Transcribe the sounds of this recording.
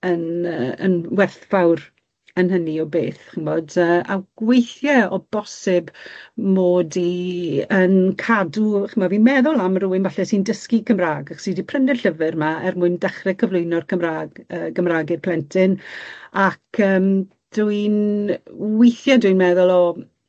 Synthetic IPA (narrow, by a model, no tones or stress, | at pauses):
ənəːə̰nwɛrθv̥awr | ənɦəniɔbeːθχɪmɔdəːawɡ̥wejθjɛɔbɔsɪbmoːdiənkʰaduχɪmɔvinmɛðʊlˠamruːɪnvaɬɛsindəskikʰəmraːɡaχsidipʰrənɛɬəvɨrmaɛrmʊɨndɛχrɛkʰəvlˠʊjnɔrkʰəmraəːɡəmraːɡɪpʰlɛntʰɪnakʰəːm | d̥uɨn | wejθjɛdɨnmɛðʊlˠɔ